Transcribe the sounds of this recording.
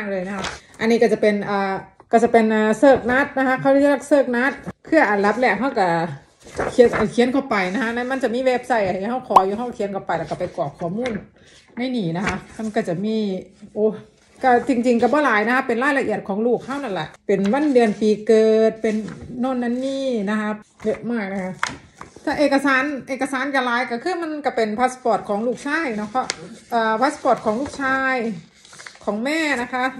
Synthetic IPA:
a˧˥˨ŋlɤː˧˩jna˧ka˧˥ʔa˧˨nːiː˧˩ka˧˩t͡ɕa˧˩pe˨˩nʔaː˨˩ka˧˩t͡ɕa˧˩pe˨˩nʔaː˨˩sɤː˧˩k̚na˧˦˥t̪̚na˦˧kʰa˧˥kʰa˧˩wlla˧t̪̚sɤː˧˩k̚na˦˥˩t̪̚kʰɯ˧˩ɐʔa˨˩nla˧˥p̚lɛː˧˩k̚ɦa˧˥˩wka˧˩ | kʰi˧˦na˧˩kʰiː˨˧˦nkʰa˧˩pa˨˩jna˧kʰa˧˥na˧˥˨ma˧˥˨nt͡ɕa˧˩miː˧˥˨weː˧˩p̚sa˧˩˨jʔa˨˩ja˧˩ha˧˥˩wkʰɔː˨˦juː˧˦ɦa˧˥˩wkʰi˨˦nkʰa˧˩pa˨jla˧˩kːa˧˩pa˨˩jkɔː˨˩p̚kʰːu˧˩ɐmuː˧˥˨nː | a˧˥˩jniː˧˩na˧kʰa˧˥ʔma˧˨nka˧˩t͡ɕa˧˩miː˧˥˨ʔoː˧˩ | ka˧˩t͡ɕi˧ŋt͡ɕi˧ŋka˧˩bɔː˧˩laː˨˦jna˧kʰa˧˥pːe˨nlaː˧˥˩jla˧ʔi˧˨˩ət̪̚kʰɔː˩˦ŋluː˧˩k̚ha˥˩wna˧˥˩nlɛ̰˧˨ʔpe˨nwa˧˥˨ndɯ˨˧ənpiː˨˧kɤː˧t̪̚pe˨nːɔː˧˥˩nːa˧˥˨nːiː˧˥˩na˦˥kʰa˦˧˥p̚jɤ˧maː˧˩jna˦˧kʰa˧˥ | t̪ʰaː˧˩˨ʔeː˨˩ka˧saː˨˦nʔeː˨˩kːa˧saː˨˦nka˧˩laː˨˦jka˧˩kʰɯː˧˥˩ma˧˥˨nka˧˩pe˨npʰaː˦˥spɔː˧˩t̪̚kʰɔː˨˩˦ŋluː˥˩k̚t͡ɕʰaː˧˥˩jnɔ˧˥˩pʰɔ˧˥ʔʔaː˧˩pʰaː˧˦˥spɔː˧˩t̪̚kʰɔː˨˦ŋluː˥˩k̚t͡ɕʰaː˧j | kʰɔː˩˦ŋmɛː˧˥˨na˦˧˥kʰa˦˥ʔ

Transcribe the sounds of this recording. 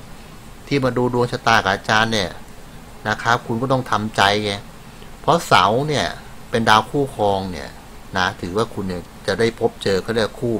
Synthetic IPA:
t̪ʰiː˥˩maː˧duː˧du˧əŋt͡ɕʰa˧t̪aː˧˩kʰa˨˩ʔa˧t͡ɕaː˧nːi˥˩ɐ | na˦˧˩kʰaː˦˥kʰu˧nkɔ˥˩t̪ɔ˥˩ŋt̪ʰa˧mt͡ɕa˧jŋa˦˧˥ | pʰɔ˦˥sa̰˩˦wni˥˩ɐpe˧ndaː˧wkʰuː˥˩kʰɔː˧ŋni˥˩ɐ | na˦˥t̪ʰɯː˩˦waː˥˩kʰu˧nːi˥˩ | t͡ɕa˨˩da˥˩jpʰo˦˥p̚t͡ɕɤː˧kʰaː˥˩da˥˩kʰuː˥˩

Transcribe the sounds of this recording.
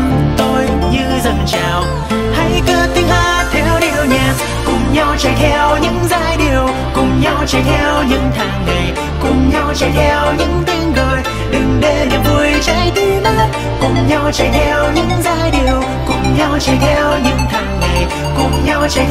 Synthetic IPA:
t̪o˧j | ɲɨ˧zə˨˩nt͡ɕaː˨˩w | ha̰˧˥jkəː˧˦t̪ï˧˦ŋlaː˧t̪ʰɛ˧wɗi˨˩əwɲa˨˩ | kʊ˨˩ŋ͡mɲa˧wt͡ɕɛ˧˩jt̪ʰɛ˧wɲɨ̰˧˥ŋzaː˧jɗi˨˩əw | kʊ˨˩ŋ͡mɲa˧wt͡ɕə˧˩t̪ʰɛ˧wɲɨ̰˧˥ŋt̪ʰaː˨˩ŋːa˨˩j | kʊ˨˩ŋ͡mɲa˧wt͡ɕə˧˩jt̪ʰɛ˧wɲɨ̰˧˥ŋt̪i˧ŋ̟ɗəː˨˩j | ɗɨ˨˩ŋ̟ɗe˧ɲa˨˩vu˧˩əjt͡ɕa˧˥jt̪i˧˦na˦˥t̚ | kʊ˨˩ŋ͡mɲa˧wt͡ɕə˧˩jt̪ʰɛ˧wɲɨ̰˧˥ŋzaː˧jɗi˨˩əw | kʊ˨˩ŋ͡mɲa˧wt͡ɕɛ˧˩jt̪ʰɛ˧wɲɨ̰˧˥ŋt̪ʰaː˨˩ŋŋa˨˩j | kʊ˨˩ŋ͡mɲa˧wt͡ɕɛ˧˩

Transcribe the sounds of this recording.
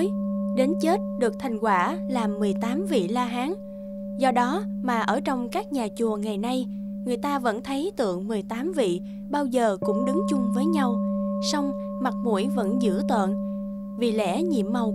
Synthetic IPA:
ɗe˨˦nt͡ɕe˦˥t̚ɗɨ˨˩ək̚t̪ʰa˨˩ŋ̟kwaː˧˩laː˨˩mːɨ˨˩əjt̪aː˨˦mvḭ˧˨laː˧ɦaː˨˦ŋ | zɔ˧ɗɔ˨˦maː˨˩ʔəː˧˩t͡ɕɔ˧wŋ͡mkaː˦˥k̚ɲaː˨˩t͡ɕu˨˩əŋa˨˩jna˧j | ŋɨ˨˩əjt̪aː˧və̰˧˥nt̪ʰə˨˦jt̪ɨ̰˧˨əŋmɨ˨˩əjt̪aː˨˦mvḭ˧˨ | ɓaː˧wzəː˨˩kʊ̰˧˥ŋ͡mɗɨ˨˦ŋt͡ɕʊ˧ŋ͡mvəː˨˦jɲa˧wsɔ˧wŋ͡m | ma˨˩k̚mṵ˧˩əjvə̰˧˥nzɨ̰˧˥ət̪wə̰˧˨n | vi˨˩lɛ̰˧˥ɲḭ˧˨əmːa˨˩w

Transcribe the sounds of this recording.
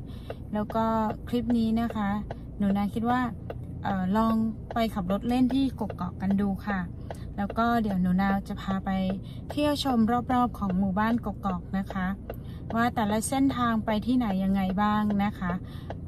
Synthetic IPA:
lɛː˦˥wkɔː˥˩kʰli˦˥p̚niː˦˥na˦˥kʰa˦˥ | nuː˩˦naː˧wkʰi˦˥t̪̚waː˥˩ | ʔɤː˨˩lɔː˧ŋpa˧jkʰa˨˩p̚ɾo˦˥t̪̚le˥˩nt̪ʰiː˥˩ko˨˩kːɔː˨˩kːa˧nduː˧kʰa˥˩ | lɛː˦˥wkɔː˥˩di˩˦əwnuː˩˦naː˧wt͡ɕa˨˩pʰaː˧pa˧j | t̪ʰi˥˩˨wt͡ɕʰo˧mɾɔː˥˩p̚ɾɔː˥˩p̚kʰɔː˩˦ŋmuː˨˩baː˥˩nko˨˩kːɔː˨˩k̚na˦˥kʰa˦˥ | waː˥˩t̪ɛː˨˩la˦˥se˥˩nt̪ʰaː˧ŋpa˧jt̪ʰiː˥˩na˩˦jːa˧ŋːa˧jbaː˥˩ŋna˦˥kʰa˦˥

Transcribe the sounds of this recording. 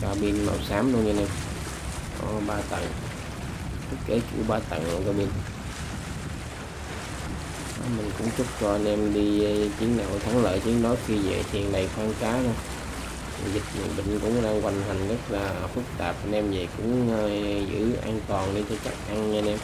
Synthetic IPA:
kaː˧ɓi˧nma̰˨˩saː˨˦mɗu˧ɲaː˧nɛ˧m | kɔ˨˦ɓaː˧t̪ə̰˧˨˩n | t̪ɨ˦˥k̚ke˨˦t͡ɕṵ˧˩˦ɓaː˧t̪ə̰˧˨˩nə̰˨˧˩kaː˧ɓi˧n | ɔ˨˦mï˨˩ŋ̟kʊ̰˧˥ŋ͡mt͡ɕʊ˦˥t̚t͡ɕɔ˧ə˧nʔɛ˧mɗi˧t͡ɕi˨˦əŋɗa̰˧˨wt̪ʰa˨˦ŋlə̰ː˧˨jt͡ɕi˨˦əŋɗɔ˨˦xi˧zḛ˧˨t̪ʰi˨˩əŋɗa˨˩jxwaː˧nkaː˨˦lo˧˨˩ | zï˨˩k̚mɨ̰˧˨ɓï˧˨ŋ̟kʊ̰˧˥ŋ͡mɗaː˧ŋkwa˧˩jŋɦa˨˩ŋ̟zə˦˥t̚laː˨˩fɨ˦˥k̚t̪aː˨˩p̚ʔə˧nʔɛ˧mzə̰˨˩jkʊ̰˧˥ŋ͡mzɨ̰˧˩˥ʔa̰ː˧nt̪ɔ˨˩nɗi˧t͡ɕɔ˧t͡ɕa˦˥k̚ʔa˧ŋɲa˧nɛ˧m

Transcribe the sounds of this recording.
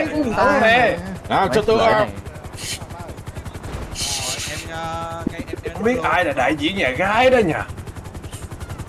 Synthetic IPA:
jkʊ˨˧ŋ͡mʊ˨˧˦ɛ˧˩ʔaː˨˩t͡ɕɔ˧t̪u˧ʔaː˧˩˧ | ɓi˦˥ət̚ʔaː˧jla̰ː˧˩ɗa̰ː˧˨jzḭ˧˨əɲaː˨˩ɣaː˨˦˥jɗɔ˨˦ɲaː˨˩

